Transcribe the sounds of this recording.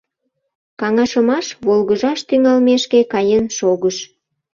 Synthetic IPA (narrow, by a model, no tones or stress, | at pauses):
kɑŋɑʃəmɑʃβolɣəʒɑʃt̪yŋɑlmeʃkekɑjənʃoɣəʃ